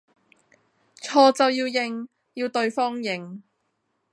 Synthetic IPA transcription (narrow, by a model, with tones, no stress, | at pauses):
t͡sʰɔː˧t͡sɐ˨wjiː˧wjɪ˧ŋ | jiː˧wt̪ɵ˧ɥfɔː˥ŋjɪ˨ŋ